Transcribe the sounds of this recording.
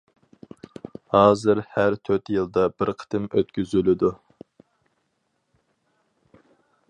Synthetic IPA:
hɑːzɨɾhæɾt̪ʰøɾt̪jɨlˠd̪ɑbɪɾqʰə̥t̪ʰɪmøt̪̚kʲyzylɪd̪u

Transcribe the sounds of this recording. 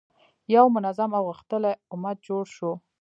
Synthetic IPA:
jawmʊnazamawɣuxt̪əleʊmad̪̚d͡ʒoɽʃo

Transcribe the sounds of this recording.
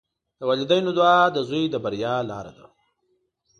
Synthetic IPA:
d̪̥əwalid̪ajnud̪wɑd̪əzujd̪əbaɾjɑlɑ̰ɾa̰d̪a̰

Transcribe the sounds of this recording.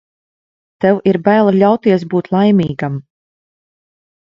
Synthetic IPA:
t̪ɛwiɾbæːlˠaʎʲawt̪iɛs̬buːt̪lˠajmiːɡam

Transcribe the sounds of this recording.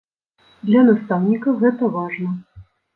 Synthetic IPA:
d̪lʲɐnast̪awnʲikɐɣɛt̪ɐvaʐnɐ

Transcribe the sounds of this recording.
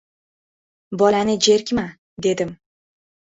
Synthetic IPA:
bɒlanɪd͡ʒe̞ɾkʲma | d̪e̞d̪ɪm

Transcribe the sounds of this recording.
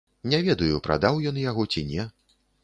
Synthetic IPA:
nʲɛvʲɛd̪ɐjupɾa̰d̪awjɔnjaɣɔt͡sʲinʲɛ

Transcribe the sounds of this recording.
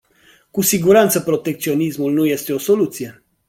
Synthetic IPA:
kusiɡuɾant̪səpɾo̞t̪e̞k̚t̪sio̞nismulnuje̞st̪e̞o̞so̞lut̪sije̞

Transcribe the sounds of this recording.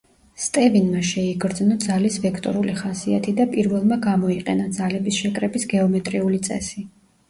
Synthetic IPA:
st̪ʼɛvinmaʃɛiɡɾd̪znɔd̪zalisvɛkʰt̪ʼɔ̰ɾuliχasiat̪ʰid̪apʼiɾvɛlˠmaɡamɔiqʼɛnad̪zalɛbisʃɛkʼɾɛbisɡɛɔmɛt̪ʼɾiulit̪sʼɛ̰si

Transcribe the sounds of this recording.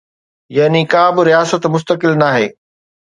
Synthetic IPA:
jɐɦnikaːbɪɾijaːsət̪mʊs̬t̪əkɪlnaːɦḛː

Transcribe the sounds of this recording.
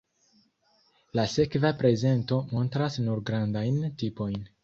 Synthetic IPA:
lase̞kvapɾe̞ze̞nto̞mo̞ntɾasnuɾɡɾandajntipo̞jn

